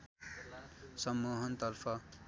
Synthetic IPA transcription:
sɐmːuːɦɐnt̪ɐɾfɐ

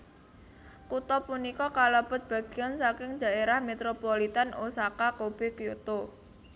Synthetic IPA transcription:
kut̪ɔpunikɔkalab̥ə̤t̪̚b̥ä̤ɡ̥i̤ansakɪŋd͡ʒ̥a̤ʔeɾahmet̪ɾopolit̪anosakakob̥e̤kjut̪o

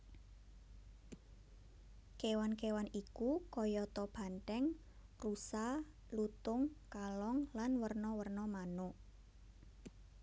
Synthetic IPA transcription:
kewankewanikukɔjɔt̪ɔb̥a̤nʈ̪ɛŋ | rusa | lut̪ʊŋkalɔŋlanwərnɔwərnɔmanʊʔ

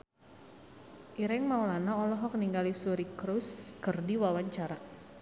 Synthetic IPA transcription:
ʔiɾɛŋmaulanaɔlɔɦɔk̚niŋɡalisuɾikɾuskərdiwawaɲt͡ʃaɾa

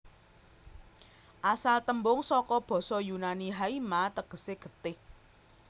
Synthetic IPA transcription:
ʔasalt̪əmbʊŋsɔkɔb̥ɔ̤sɔjunaniɦaimat̪əɡ̥ə̤seɡ̥ə̤t̪ɪh

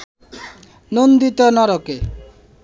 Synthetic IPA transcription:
nond̪it̪ɔnɔɾɔke

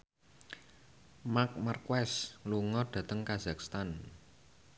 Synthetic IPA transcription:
mak̚markwɛsluŋɔɖ̪̥ä̤t̪əŋkaz̥a̤k̚st̪an

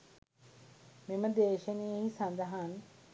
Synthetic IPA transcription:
meməd̪eːʃənejəɦisɐnd̪ɐɦan

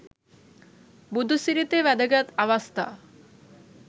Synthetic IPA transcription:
bud̪ʱusiɾit̪eʋɛd̪əɡat̪aʋast̪ʰa̰

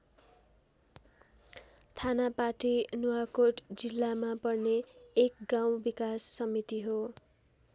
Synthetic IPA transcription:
t̪ʰanapaʈinuakoʈd͡zilːamapʌrneːk̚ɡaw̃bikasːʌmit̪iɦo

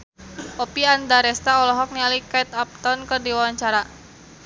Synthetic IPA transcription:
ɔpiandaɾɛst̪aɔlɔɦɔk̚nialikait̪ap̚t̪ɔnkərdiwawaɲt͡ʃaɾa

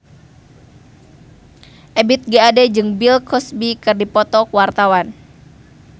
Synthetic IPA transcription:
ʔɛbit̪̚ɡaːdɛd͡ʒɨŋbilkʰɔsbikɨrdipɔt̪ɔkuwart̪awan

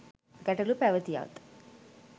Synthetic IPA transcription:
ɡæʈəlupæʋət̪ija̰ʋt̪

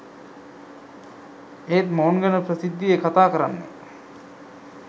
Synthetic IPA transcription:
eːt̪mounɡənəpɾəsid̪ːijekat̪aːkəɾanːə̰

